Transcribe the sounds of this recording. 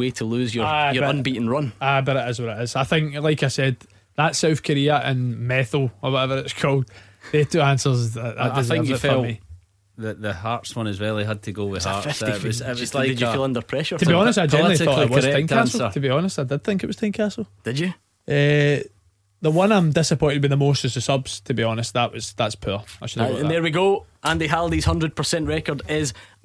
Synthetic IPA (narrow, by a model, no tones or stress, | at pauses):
wetʰəlˠʉzjə˞ajəbʌʌ̃nbiʔɪ̃ŋɹʌ̃nabʌɾɪʔɪzwəɹɪʔɪz̥aɪθɪ̃ŋklˠaɪkaɪsɛd̪̚ | ðəʔsaʊθkʰəɹiəʔə̃nmɛθl̩ˠə˞wɔtɛvəɹɪʔz̥kʰolˠd̥̚ | ðətʰʉãnsə˞zðəʔðə̰d̥ɪzɪ̃ŋjfəlˠi | ðəðəhaɹtswʌ̃nɪzɹɛlˠiɦəd̚tʰəɡowɪ̥ha̰ɹɪzɪʔwzlaɪɪd͡ʒəilˠʌ̃ndə˞pʰɹ̥ɛʃə˞tʰəbiɔnɪstaɪd͡ʒɛ̃nəiɔʔˠɪwzθɪ̃ŋkʰanslˠətʰəbiɔnɪstaɪdɪd̪̚θɪ̃ŋkɪ̰ʔwʌ̥θɪ̃ŋkʰasl̩ˠd̥ɪd͡ʒə | ʔɛ | ðəwʌ̃nãɪ̃mdɪsəpʰɔ̃ɪ̃ntɪbɪ̃ðəmostə̥zəsʌbz̥tʰəbiɔnɪst̚ðəʔwʌz̥ðatspʰʉ̰ɹa̰kt͡ʃəl̩ˠiə̃nðə˞wiɡoʔə̃nðeɦədˠðiz̥hʌ̃ndɹəd̚pʰə˞sɛ̃nʔɹɛkə˞dɪz̥